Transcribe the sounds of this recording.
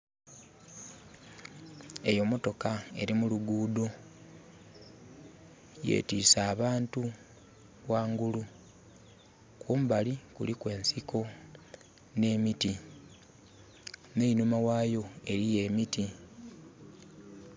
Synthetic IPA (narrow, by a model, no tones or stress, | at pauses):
e̞jo̞mo̞to̞kae̞ɾimuluɡuːdo̞ | jḛːtiːsaːβaːntu | waːŋɡulu | kuːmbalikulikwe̞ːnsiko̞ | ne̞ːmiti | ne̞inumawaːjo̞e̞ɾije̞ːmiti